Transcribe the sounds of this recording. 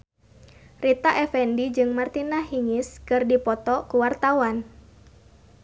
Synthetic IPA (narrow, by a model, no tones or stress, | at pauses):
rit̪aʔɛfɛndid͡ʒɨŋmart̪inaɦiŋiskɨrdipɔt̪ɔkuwart̪awan